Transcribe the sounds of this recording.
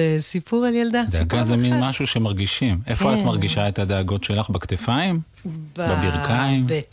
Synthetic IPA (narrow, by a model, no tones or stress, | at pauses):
esipuʁaljald̪ad̪eeaɡazeminmaʃuʃe̞maʁɡiʃime̞foaatmaʁɡiʃaet̪ad̪eaɡo̞tʃe̞laχbakt̪efaim | bbebiʁkaim